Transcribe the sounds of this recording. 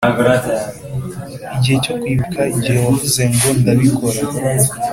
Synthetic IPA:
ɡɾa | iɟihe̞co̞kwiːβikʰaiɟihewavuze̞ŋɡo̞ndaβikʰo̞ɾa

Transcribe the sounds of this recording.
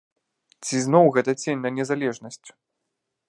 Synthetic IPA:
t͡sʲiznɔwɣɛt̪ɐt͡sʲenʲnɐnʲɛzalʲɛʐnɐsʲt͡sʲ

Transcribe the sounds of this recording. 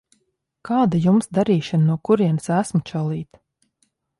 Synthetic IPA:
kaːd̪ajumsd̪aɾiːʃananuɔkuɾiɛnsæsmut͡ʃɔlˠiːt̪

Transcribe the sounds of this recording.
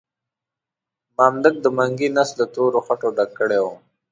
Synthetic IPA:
mɑːmd̪ək̚d̪əmaŋɡinasld̪ət̪oɾoxaʈoɖakːəɽew

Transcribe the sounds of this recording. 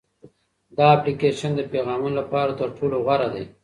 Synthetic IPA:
d̪ɑːplikeʃand̪əpeɣɑːmunlapɑːɾat̪əɾʈʰoːloɣaɾad̪e

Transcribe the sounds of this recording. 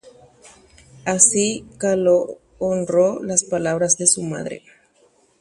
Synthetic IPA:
asikaloː | nrolaspalaβɾazðesuma̰ðɾḛ

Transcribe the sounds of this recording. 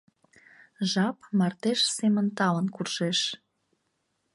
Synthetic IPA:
ʒɑpmɑrt̪eʃsemənt̪ɑlənkurʃeʃ

